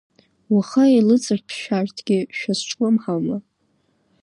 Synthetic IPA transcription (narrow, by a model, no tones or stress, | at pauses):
waχailɨt͡sʼɨrpʰʃᶣartʰɡʲɪʃᶣasʈ͡ʂʰʼkʷʼʊmħalma